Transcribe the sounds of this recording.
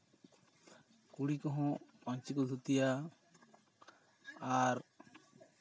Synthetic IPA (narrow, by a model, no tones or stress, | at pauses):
kuɽikɔɦɔ̃pɔɲt͡ʃikɔd̪ʱut̪ija | aɾ